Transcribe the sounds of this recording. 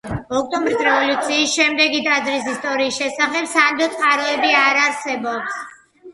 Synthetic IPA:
ɔk̚t̪ʼɔmbɾisɾɛvɔlut̪sʰiːsʃɛmd̪ɛɡit̪ʼazɾisist̪ʼɔɾiːsʃɛsaχɛbsand̪ɔt̪sʼqʼaɾɔɛbiaɾaɾsɛbɔps

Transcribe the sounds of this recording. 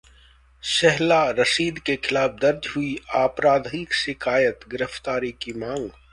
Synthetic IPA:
ʃɛɦlaɾɐsiːd̪kekʰɪlaːpʰd̪ɐɾd͡ʒɦʊiaːpɾaːd̪ʱikʃɪkʰaːjət̪ɡɪɾəft̪aːɾikimãːŋɡ

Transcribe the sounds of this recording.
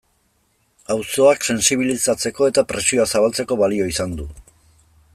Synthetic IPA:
awso̞akse̞nsiβ̞ilisat͡se̞ko̞e̞t̪apɾe̞sio̞asaβalt͡se̞ko̞βalio̞isand̪u

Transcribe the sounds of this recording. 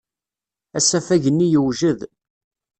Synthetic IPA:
æsæfæʝənːijəwʒəð

